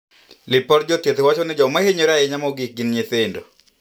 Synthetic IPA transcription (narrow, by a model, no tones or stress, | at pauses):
lɪpɔɾd͡ʒotjet̪ewat͡ʃonɪd͡ʒɔmaheɲoɾaɛɲamɔɡɪk̚ɡɪnɲeθendo